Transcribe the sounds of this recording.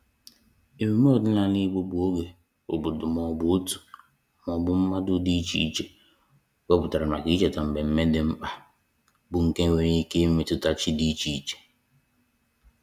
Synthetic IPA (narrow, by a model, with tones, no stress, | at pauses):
e˨me˨m˦o˦o˨dʊ˦na˨ni˦ɡ͡bo˦bu˨o˦ɡe˨ | o˨bʊ˨dʊ˨mɔ˨bʊ˨˦tu̥˨ | mɔ˨bʊ˦m̩˦ma˦dʊ˦di˦t͡ʃi˦i˦t͡ʃe˨ | we˦pʊ˨ta˨ɾa˨ma˨ki˦t͡ʃe˨ta˨m̩˨be˨m̩˦me˦dɪ˦m̩˦k͡pa˦ | bʊ˨ŋ̩˨ke˦we˦ɲi˦ke˦me˦tʊ˦ta˦t͡ʃɪ˦di˦t͡ʃi˨i˨t͡ʃe̥˨